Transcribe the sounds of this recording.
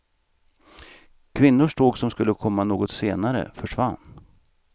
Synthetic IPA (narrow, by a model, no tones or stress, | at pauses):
kʰvɪnːʊʂʈoːɡsɔmskɵlːəkʰɔmːanoːɡɔt̪seːnaɾə̰fœʂvanː